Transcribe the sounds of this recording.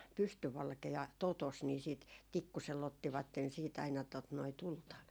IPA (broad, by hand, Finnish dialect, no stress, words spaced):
pystyʋɑlkeɑ totos ni siˑt tikːuselː otːiʋɑtːen siːt ɑinɑ tot noi tultɑ